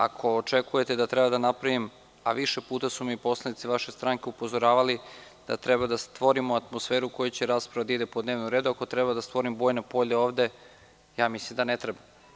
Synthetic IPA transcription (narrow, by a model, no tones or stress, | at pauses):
a̰kʰo̞ːt͡ʃe̞kuje̞t̪ed̪at̪ɾebad̪anapɾaʋim | a̰ʋiʃe̞puːt̪asumipo̞slˠanit̪siʋaʃe̞st̪ɾaŋke̞upo̞zo̞ɾaːʋali | d̪̥a̰t̪ɾebad̪ast̪ʋo̞ɾimoat̪mosfeːɾuko̞jut͡ɕeɾaːspɾaʋad̪aid̪e̞pod̪ne̞ːʋnoɾe̞ːd̪uako̞t̪ɾebad̪ast̪ʋo̞ɾimbojnepo̞ʎeo̞ːʋd̪e̞ | jaːmislimd̪anet̪ɾeba